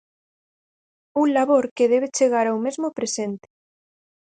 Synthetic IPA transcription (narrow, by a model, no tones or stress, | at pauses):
unlaβoɾkeðeβ̞et͡ʃeɣ̞aɾawmezmopɾesent̪e̥